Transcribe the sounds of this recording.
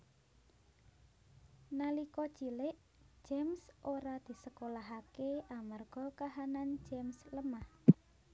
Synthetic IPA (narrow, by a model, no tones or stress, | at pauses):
nalikɔ̥t͡ʃilɪʔ | d͡ʒ̥ɛmsʔoɾad̪̥i̤səkolaɦakeʔamarɡ̥ɔ̤kaɦanand͡ʒɛmsləmah